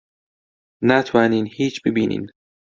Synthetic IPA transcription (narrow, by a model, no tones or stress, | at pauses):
næt̪ʰvæːniːnhiːt͡ʃʰbebiːnḭːn